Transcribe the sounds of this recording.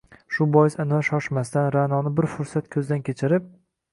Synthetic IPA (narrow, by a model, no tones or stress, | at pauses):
ʃʊbɒjɪsanvaʃɒʃmast̪anɾanɒnɪbɪɾfʊɾsat̪kʲʰɵzɪd̪ankʲet͡ʃʰɪɾɪp̚